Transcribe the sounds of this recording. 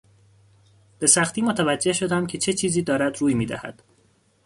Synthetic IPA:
b̥e̞sæxt̪iːmot̪ʰævæd͡ʒːe̞hʃo̞d̪æmcʰe̞t͡ʃʰe̞t͡ʃʰiːziːd̪ɒːɾæd̪ɾuːjmiːd̪æ̰hæ̰d̪̥

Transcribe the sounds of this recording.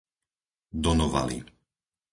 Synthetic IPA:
d̪ɔnɔʋa̰lḭ

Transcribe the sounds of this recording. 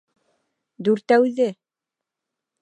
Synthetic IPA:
d̪ʉɾt̪æwðɘ

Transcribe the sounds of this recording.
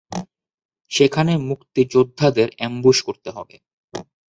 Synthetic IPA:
ʃekʰanemukt̪id͡ʑod̪ʱːad̪eɾɛmbuʃkoɾt̪eɦɔ̰bḛ

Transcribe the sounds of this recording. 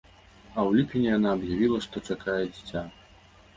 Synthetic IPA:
ɐwlʲipʲinʲijanaːbjavʲilˠɐʂt̪ɔt͡ʂakajɛd͡zʲit͡sʲa

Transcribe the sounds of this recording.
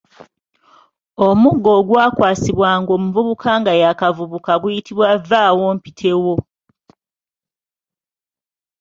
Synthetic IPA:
o̞muɡːo̞ːɡwaːkwaːsiβwaːŋɡo̞ːmuvuβukʰaːŋɡajakavuβukaɡujitʰiβwavːaːwo̞ːmpitʰe̞wo̞

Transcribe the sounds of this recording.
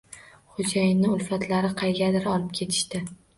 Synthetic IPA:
χʊd͡ʒajɪnːɪʊlˠfat̪ʰlaɾɪqʰɑjɡʲad̪ɪɾɒlˠɪp̚kʲʰe̞t̪ʰɪ̥ʃt̪ɪ

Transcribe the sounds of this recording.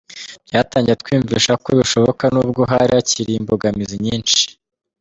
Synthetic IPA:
jataːɲɟiɾet̚kwiːɱviʃakoβiʃo̞βokanuːb̚ɡoɦaɾiaciɾiːmboɡamiziɲiːnt͡ʃi̥

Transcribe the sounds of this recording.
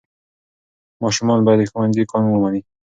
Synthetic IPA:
mɑʃumɑnbɔjad̪əxwand̪ikɑnuwəmani

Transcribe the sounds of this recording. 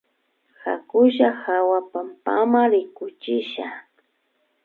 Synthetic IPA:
xakʊʃaxawapampa̰maɾɪkʊt͡ʃɪʃa̰

